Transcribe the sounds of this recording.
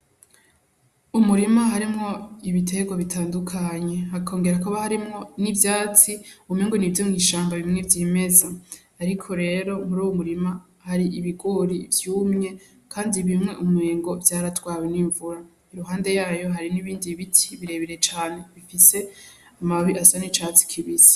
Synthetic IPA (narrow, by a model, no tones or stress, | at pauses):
umuɾimaɦaɾimŋo̞iβitʰe̞ɡo̞βitʰaːndukʰaɲe̞hakʰo̞ːŋɡeɾakuβahaɾimŋo̞nivjaːt͡siumeŋɡonivjomŋiːʃaːmbaβimŋe̞vjiːme̞zaː | ɾikʰo̞ɾe̞ːɾo̞muɾuːwumuɾima | haɾiʔiβiɡoɾivjuːmŋe̞ | kʰaːndiβimŋe̞ʔumŋe̞ːŋɡo̞vjaːɾatwaːweniːɱvuɾa | iɾuɦaːnde̞jaːjo̞ɦaɾiniβiːndiβitʰiβiɾe̞βiɾe̞t͡ʃaːne̞βifise̞ | amaβiʔasanit͡ʃat͡si̥kʰiβizi̥